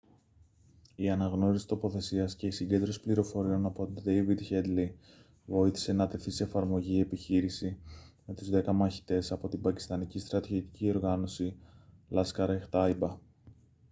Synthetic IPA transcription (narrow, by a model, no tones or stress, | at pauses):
iɐnɐɣno̞ɾisi̥t̪o̞po̞θe̞siɐsce̞isiɲɟe̞nd̪ɾo̞si̥pliɾo̞fo̞ɾio̞nɐpo̞t̪id̪ejvid̪çed̪li | vo̞iθi̥se̞nɐt̪e̞θiseːfɐɾmo̞ʝie̞piçiɾisime̞t̪uzðe̞kɐmɐçi̥t̪e̞sɐpo̞t̪ibɐci̥st̪ɐnicist̪ɾɐt̪iot̪i̥cio̞ɾɣɐno̞silɐskɐɾɐext̪ɐjbɐ